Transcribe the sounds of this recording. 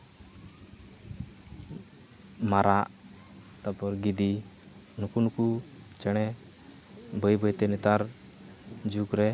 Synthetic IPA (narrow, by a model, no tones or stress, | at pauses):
maɾaʔ | t̪apɔɾɡid̪i | nukunukut͡ʃɛɽ̃ɛ | bʱəjbəjt̪ɛnit̪aɾ | d͡ʒukɾɛ